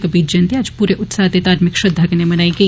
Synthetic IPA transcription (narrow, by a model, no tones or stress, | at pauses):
kɐbiːt̪d͡ʒɐ̃nt̪eaːd͡ʒpuːɾeʔʊt̪saːd̪et̪aːt̪mɪkʃɐd̪ʱɐɡnemɐnaːiɡɐ